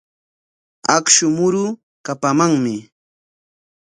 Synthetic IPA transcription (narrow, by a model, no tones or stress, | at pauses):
akʃʊmʊɾʊ | kapamaŋmɪ